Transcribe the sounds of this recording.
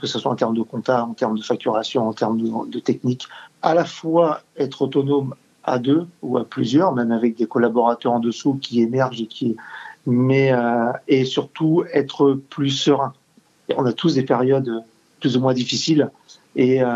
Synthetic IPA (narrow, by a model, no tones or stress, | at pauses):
kəsaswaɑ̃t̪ɛʁmd̪əkɔ̃t̪aɑ̃t̪ɛʁmd̪əfak̚t̪yʁasjɔ̃ɑ̃t̪ɛʁmd̪ət̪ɛk̚nikalafwaɛt̪χot̪ɔnom | a̰d̪øuaplyzjœʁmɛmavɛk̚d̪ekɔlabɔʁat̪œʁɑ̃d̪əsukʲiemɛʁʒekʲi | mɛøesyʁt̪uɛt̪χəplysəʁɛ̃ | ɔ̃nat̪usd̪epɛʁjɔd̪ø | plyzumwɛ̃d̪ifisil | eø